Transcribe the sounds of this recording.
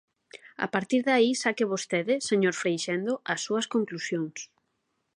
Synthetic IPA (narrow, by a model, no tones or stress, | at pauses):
a̰paɾt̪iɾðaisakɪβost̪eðɪseɲoɾfɾejʃend̪oʔɐsːuɐskoŋklusjoŋs